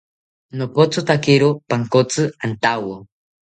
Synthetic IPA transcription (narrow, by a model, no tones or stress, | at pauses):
nopot͡sot̪akɪɾopaŋkot͡sɨant̪awo